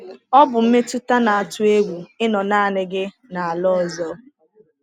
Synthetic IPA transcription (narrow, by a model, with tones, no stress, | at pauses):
ɔ˦bʊ˨m̩˦me˦tʊ˦ta˦na˨a˨tʊ˦e˦ɡʷu˨ɪ˦nɔ˨naː˦a˨nɪ˦ɡɪ˦ | na˨a˨lɔ˦ɔ˨zɔ˦